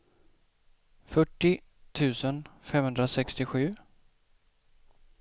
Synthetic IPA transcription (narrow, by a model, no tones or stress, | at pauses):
fœʈːɪt̪ʰʉ̟ːsənfɛmhɵnd̪ɾasɛkst̪ɪɧʉ̟ː